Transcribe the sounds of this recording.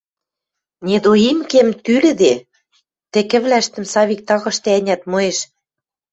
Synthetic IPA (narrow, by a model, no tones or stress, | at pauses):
nʲed̪oimkemt̪ylɘ̆d̪e | t̪ĕkɘ̆βlæʃt̪ɘ̆msɑβik̚t̪ɑɣɤ̆ʃt̪ĕænʲæt̪mɤ̆eʃ